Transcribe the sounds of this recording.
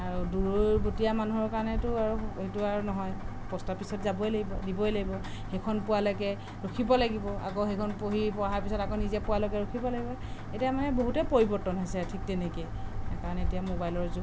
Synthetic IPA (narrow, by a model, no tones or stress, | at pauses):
aɹuduɹojbotijamanuɦɔɹkaɹɔnɛtʊaɹuetuaɹunɔɦɔj | pɔstapisɔtzabɔelaɡibɔdibɔjlaɡibɔhekʰɔnpʊalɔkɛ | ɹokʰibɔlaɡibɔa̰kɔɦekʰɔnpoɦipɔaɦaɹpisɔtakonizɛpʊwalɔkɛɹokʰibɔlaɡibɔetiamanɛboɦutɛpoɹibɔɹtɔnɦɔjsɛtʰik̚tɛneke | kaɹɔnɛetijamobajlɔɹzu